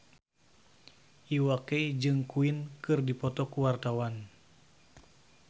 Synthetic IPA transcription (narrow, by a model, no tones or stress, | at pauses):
ʔiwakeid͡ʒɨŋkuinkɨrdipɔt̪ɔkuwart̪awan